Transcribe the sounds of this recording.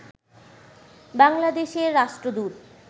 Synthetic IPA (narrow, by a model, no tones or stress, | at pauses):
baŋlad̪eʃeɾːaʃʈɾod̪uɾ